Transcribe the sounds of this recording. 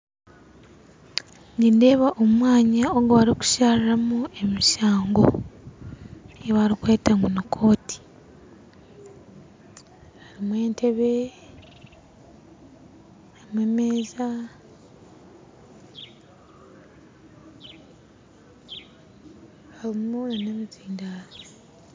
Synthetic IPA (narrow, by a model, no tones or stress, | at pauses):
ninde̞ːβaʔomwaːɲaoɡoaɾiku̥ʃaːɾiɾamue̞miʃaːŋɡo̰ | eβaɾikweːtaŋɡunukʰo̞ːtʰi̥ | aɾimwe̞ːntʰe̞βe | aimwemeːza | alimumolanemiziːnda